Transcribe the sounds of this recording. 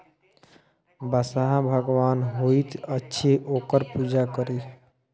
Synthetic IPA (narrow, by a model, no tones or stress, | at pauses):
bəsaɦãbʱəɡʋanɦoit̪ətːʃʰiokəɾpud͡ʒakəɾi